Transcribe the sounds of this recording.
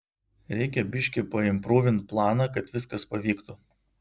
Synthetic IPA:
ɾʲɛɪkʲɛbʲɪʃʲkʲɪpɐɪmpɾoːʋʲɪnt̪̚plˠɑːnɑkɐt̪ʋʲɪskɐspɐʋʲiːkt̪ʊ

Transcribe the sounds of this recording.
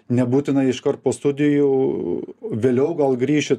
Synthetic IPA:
nʲɛbuːt̪ʲɪnɐɪɪʃkɐrt̪̚poːst̪ʊd̪ʲɪju | ʋʲeːlʲɛʊɡɐlˠɡɾʲiːʃʲɪt̪

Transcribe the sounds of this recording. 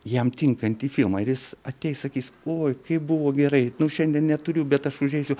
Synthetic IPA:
jɛmt̪ʲɪŋkɐnʲt̪iːfʲɪlˠmɑːɪɾjɪsɐt̪ʲɛɪsɐkʲiːsoːjkɐɪp̚bʊʋoːɡʲɛɾɐɪnʊʃʲɛnʲd̪ʲiɛnnʲɛt̪ʊɾʲʊbʲɛt̪ɐʃʊʒʲeːsʲʊ

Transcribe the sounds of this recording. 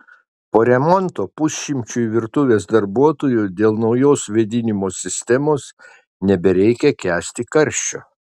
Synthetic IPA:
poːɾʲɛmɔnt̪oːpʊsʲʃʲɪmʲt͡ʃʲʊʋʲɪɾt̪ʊʋʲeːsd̪ɐɾbuɔt̪oːjʊd̪ʲeːlˠnɒʊjoːsʋʲɛd̪ʲɪnʲɪmoːsʲɪsʲt̪ʲɛmoːs | nʲɛbʲɛɾʲɛɪkʲɛkʲæːsʲt̪ʲɪkɐɾʲʃʲt͡ʃʲo̰ː

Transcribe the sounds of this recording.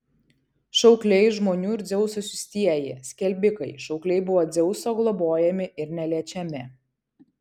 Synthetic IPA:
ʃɐʊklʲɛɪʒmoːnʲuːɪɾʲd̪zʲɛʊsosʲʊsʲt̪ʲiɛjɪsʲkʲɛlʲbʲɪkɐɪʃɒʊklʲɛɪbʊʋoːd̪zʲɛʊsoːɡlˠɔboːjɛmʲɪɪɾnʲɛlʲiɛt͡ʃʲɛmʲɪ

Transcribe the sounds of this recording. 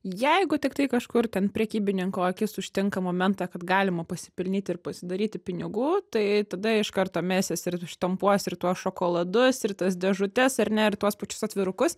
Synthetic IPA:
jɛɪɡʊt̪ʲɪkt̪ɐɪkɐʃkʊrt̪ʲɛnpʲɾʲɛkʲiːbʲɪnʲɪŋkoːɐkʲɪsʊʃʲt̪ʲɪŋkɐmoːmʲɛnt̪ɑːkɐt̪ɡɑːlʲɪmɐpɐsʲɪpʲɪlʲnʲiːt̪ʲɪɪrpɐsʲɪd̪ɐɾʲiːt̪ʲɪpʲɪnʲɪɡuːt̪ɐɪt̪ɐd̪ɐɪʃkɐrt̪oːmʲæːsʲesɪɾʃt̪ɐmpuɔsʲɪrt̪uɔsʃoːkoːlˠɐd̪ʊsɪrt̪ɐsd̪ʲɛʒʊt̪ʲɛsɐɾʲnʲɛɪrt̪uɔspɐt͡ʃʲʊ̥sɐt̪ʲʋʲɪɾʊkʊs

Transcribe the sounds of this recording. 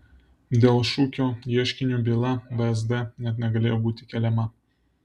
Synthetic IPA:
d̪ʲeːlˠʃuːkʲoːjiɛʃʲkʲɪnʲuːbʲiːlˠɐʋɐɛzd̪ɛnʲɛt̪nʲɛɡɐlʲeːjoːbuːt̪ʲɪkʲɛːlʲɛmɐ

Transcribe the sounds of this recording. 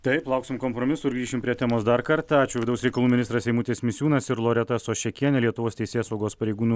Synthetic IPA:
t̪ɐɪplˠɐʊksʲɪmkoːmpɾoːmʲɪsuɪɾɡɾiːʃʲɪmpʲɾʲiɛt̪ʲæːmoːsd̪ɐɾkɐɾt̪ɑɑːt͡ʃʲʊʋʲɪd̪ɐʊsɾʲɛɪkɐlˠuːmɪnʲɪst̪ɾɐsʲɛɪmuːt̪ʲeːsmʲɪsʲuːnɐsɪɾlˠoːɾʲɛt̪ɐsoːʃʲɛkʲiɛnʲɛlʲiɛt̪ʊʋoːst̪ʲɛɪsʲeːsɐʊɡoːspɐɾʲɛɪɡuːnuː

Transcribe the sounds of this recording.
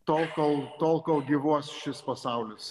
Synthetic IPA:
t̪oːlˠkolˠt̪oːlˠkolˠɡʲiːʋuɔsʃʲɪspɐsɐʊlʲɪs

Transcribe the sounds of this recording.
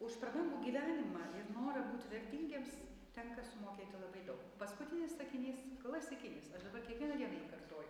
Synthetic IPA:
ʊʃpɾɐbɐŋɡuːɡʲiːʋʲæːnʲɪmɑːɪrnoːɾɐbuːt̪ʲʋʲɛrʲt̪ʲɪŋʲɡʲeːms | t̪ʲɛŋkɐsʊmoːkʲeːt̪ʲɪlˠɐbɐɪd̪ɐʊkpɐskʊt̪ʲɪnʲɪst̪ɐkʲɪnʲiːskɐlˠɐsʲt̪ʲɐkʲɪnʲiːsɐʃd̪ɐbɐɾkʲiɛkʋʲiɛnɐd̪ʲiɛnɐɪikɐrt̪oːjʊ

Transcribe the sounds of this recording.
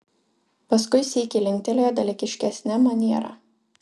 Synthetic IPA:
pɐskʊɪsʲiːkʲɪlʲɪŋʲk̚ʲt̪ʲɛlʲoːjoːd̪ɐlʲɪkʲɪʃʲkʲɛsʲnʲæmɐnʲiɛɾɑ̰ː

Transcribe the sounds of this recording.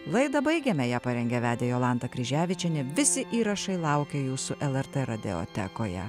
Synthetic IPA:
lˠɐɪd̪ɐbɐɪɡʲeːmʲɛjæːpɐɾʲɛŋʲɡʲɛʋʲæːd̪ʲejoːlˠɑˑnt̪ɐkɾʲɪʒʲæːʋʲɪt͡ʃʲɛnʲɛʋʲɪsʲɪʔiːɾɐʃɐɪlˠɐˑʊkʲɛjuːsʊʔɛlˠɛɾt̪ɛɾɐd̪ʲɛ̰o̰ːt̪ʲɛ̰koːjɛ̰

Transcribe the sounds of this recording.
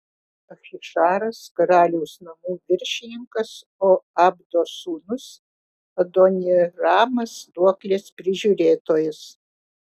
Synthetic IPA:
ɐxʲɪʂaːɾɐskɐɾaːlʲuwsnɐmuʋʲɪɾʲʃʲɪnʲɪŋkɐs | oabd̪osuːnʊs | ɐd̪onʲeraːmɐsd̪uɔklʲespʲɾʲɪʒʲuɾʲeːt̪oːjɪs

